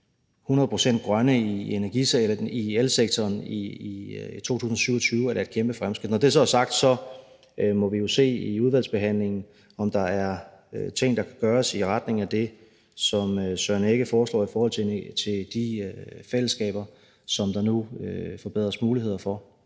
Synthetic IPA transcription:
hunɐð̞ˠpʰʁo̝sen̰d̥̚ɡ̥ʁɶnəienæɐɡ̥iielseɡ̥̚t͡sʰɒːni | t͡sʰo̝̰ːt͡sʰṵːsn̩ɒsyʊɒt͡sʰyːʊældæe̝d̥kʰemb̥əfʁamsɡ̥ʁid̥nɒd̥e̝æɐs̬ɒ̽æɐsɑ̈ɡ̥̚d̥sɒ̽ | mɒ̽ʋijo̝se̝̰ːiuð̞ˠʋæl̰sb̥e̝ɦæn̰le̝ŋn̩ | ɒ̽md̥ɑ̈æɐ | t͡sʰe̝ŋ̰d̥ɑ̈kʰæ̥ɡ̥ɶːɐsiʁɑd̥ne̝ŋ̩æd̥e̝ | sɒ̽møsɶɐne̝ɡ̥əfɒːslɒ̰ːifɒːhɒ̽l̰t͡sʰet͡sʰe̝d̥ifel̰əsɡ̥ɛ̰ːb̥ɐ | sɒ̽md̥ɑ̈nuøfɒb̥e̝ð̞̰ˠʁɐsmuːlihe̝ð̞̰ˠɐfɒ̽

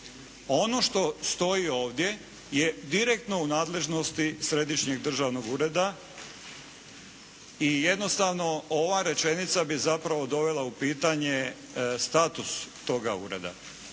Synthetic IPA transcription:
o̞no̞ʃt̪o̞st̪o̞io̞ːʋd̪je̞ | je̞d̪iɾek̚t̪no̞unaːd̪le̞ʒno̞st̪isɾe̞d̪iʃɲeɡd̪r̩ʒaʋno̞ɡuːɾe̞d̪a | ije̞d̪no̞st̪aʋno̞oʋaɾe̞t͡ʃe̞nit̪sabizapɾaʋo̞d̪o̞ʋe̞lˠaupiːt̪aɲe̞ | st̪aːt̪ust̪o̞ɡaṵːɾe̞̰d̪a̰

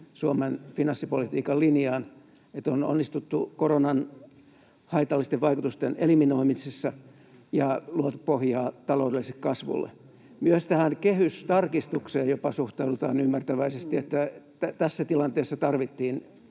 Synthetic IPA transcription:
suomenfinɑnsːipolit̪iːkɑllinjɑːn | et̪ono̰nːist̪ut̪ːukoronɑn | hɑit̪ɑlːist̪eʋʋɑikut̪ust̪enḛliminoimisesːɑ | jɑluot̪upohjɑːt̪ɑloudelːisekkɑsʋṵlːḛ | myøst̪æhænkehyst̪ɑrkist̪ukseːjjopɑsuht̪ɑudut̪ɑːnymːært̪æʋæisest̪iet̪ːæt̪æt̪æsːæt̪ilɑnt̪eːsːɑt̪ɑrʋit̪ːiːn

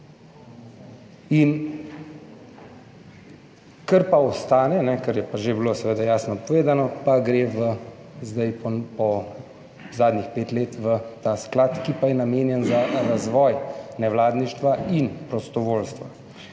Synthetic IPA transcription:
in | kəɾpaɔst̪aːnɛnɛkəɾjɛpaʒebilosɛʋeːd̪ajaːsnɔpɔʋeːd̪anɔpaɡɾeːʋə | zd̪ajpɔpɔ | zaːd̪nixpeːt̪leːt̪ʋət̪aːsklaːt̪kipajɛnameːnjɛnzaɾazʋɔːjnɛʋlaːd̪niʃt̪ʋainpɾɔst̪ɔʋoːlst̪ʋa

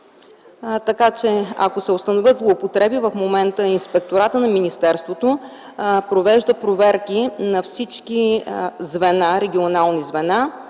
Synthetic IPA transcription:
t̪ɐkat͡ʃɛɐ̰kosɛost̪ɐnovʲɤt̪zlˠoːpot̪ɾɛbivəfmomɛnt̪əinspɛk̚t̪oɾat̪ənɐminist̪ɛɾst̪vot̪o | pɾovɛʒd̪əpɾovɛɾk̟inɐfsit͡ʃkizvɛnaɾɛɡʲionalˠnizvɛna

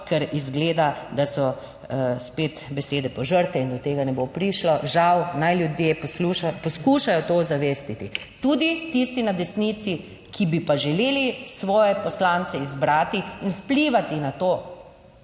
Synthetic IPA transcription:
kɛɾizɡleːd̪ad̪asɔ | speːt̪bɛseːd̪ɛpɔʒəɾt̪ɛind̪ɔt̪eːɡanɛbopɾiʃlɔʒawnajljud̪jepluʃapɔskuːʃajɔt̪oːzaʋeːst̪it̪i | t̪ud̪it̪ist̪inad̪ɛsnit̪si | kʰibipaʒɛleːlisʋɔːjɛpɔslansɛizbɾaːt̪iinspliʋat̪inat̪oː

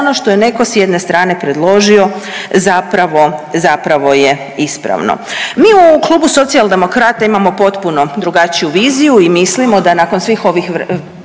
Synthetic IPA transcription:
onoʃt̪o̞jene̞ko̞sjed̪ne̞st̪ɾaːne̞pɾe̞d̪lˠo̞ʒio̞zapɾaʋo̞zapɾaʋo̞je̞ | ispɾa̰ʋno̰miːuklˠuːbuso̞t̪siald̪e̞mo̞kɾaːt̪aimamo̞po̞t̪punod̪ɾuɡat͡ɕijuʋiːzijuimislimo̞d̪anako̞nsʋiːxo̞ʋixʋ

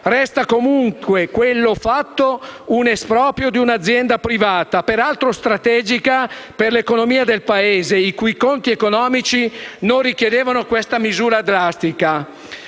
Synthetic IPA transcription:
rɛst̪akomuŋkwekwelːofat̪ːounespɾɔːpɾjod̪iunad̪zːjɛnd̪apɾivaːt̪apeɾalt̪ɾost̪ɾat̪ɛːd͡ʒikaperlekonomiːad̪elpaeːzeikujkont̪iekonɔːmit͡ʃinorikjed̪eːvanokwest̪amizuːɾad̪ɾast̪ika

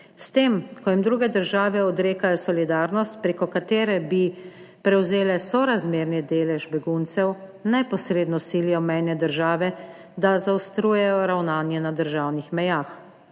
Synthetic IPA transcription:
st̪eːmkɔjimd̪ɾuːɡɛd̪əɾʒaːʋɛɔd̪ɾeːkajɔsɔlid̪aːɾnɔst̪̚pɾeːkɔkat̪eːɾɛbi | pɾɛwzeːlɛsɔɾazmeːɾnid̪eːlɛʒbɛɡunt̪sɛw | nɛpɔsɾeːd̪nɔsiljɛmɛjnɛd̪əɾʒaːʋɛd̪azaɔst̪ɾuːjɛjɔɾawnaːnjɛnad̪əɾʒaːwnixmɛjaːx

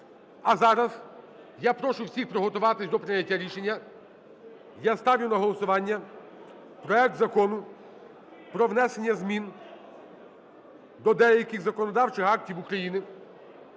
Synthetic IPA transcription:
ɐzɑɾɐz | japɾɔʃʊwsʲixpɾɔɦɔt̪ʊʋɑt̪ɪsʲd̪ɔpɾɪnʲːɐtʲːaɾʲiʃe̞nʲːɐ | jast̪ɑʋʲjʊnɐɦɔlˠɔsʊʋɑnʲːɐ | pɾɔɛk̚t̪zɐkɔnʊ | pɾɔʋnɛse̞nʲːɐzmʲin | d̪ɔd̪ɛjɐkɪɣzɐkɔnɔd̪ɑwt͡ʃɪxɑk̚tʲiwukɾɐjinɪ

